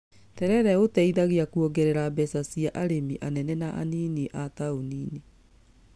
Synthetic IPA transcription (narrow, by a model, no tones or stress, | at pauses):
tɛɾɛɾɛotɛiðaɣeakuɔɡɛɾeɾabɛsasiaʔaɾemiʔanɛnɛnaʔa̰niːniʔataoniːni